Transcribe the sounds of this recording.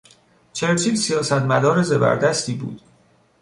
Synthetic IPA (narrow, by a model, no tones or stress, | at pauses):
t͡ʃʰeɾt͡ʃʰiːzsijɒːsæt̪mæd̪ɒːɾezebæ̰ɾd̪æst̪iːbṵːd̪̥